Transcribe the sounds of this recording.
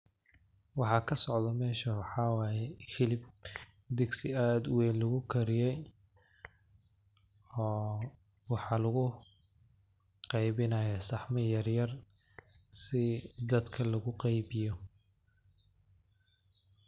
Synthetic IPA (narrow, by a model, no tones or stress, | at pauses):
wɑħɑkʰɐsɔʕd̪ɐmɛːʃɐwɑħɑwɑːjɛhɪlɪb | d̪ɛɡsɪaːd̪wɛːnlɐɣʊkʰɐɾɪjɛj | ɔː | wɑħɑːlɐɣʊ | qɑjbɪnɐjɐsɑħmɐjɐrjɐr | sɪd̪ɐd̪kʰɐlɐɣʊqɑjbɪjɔ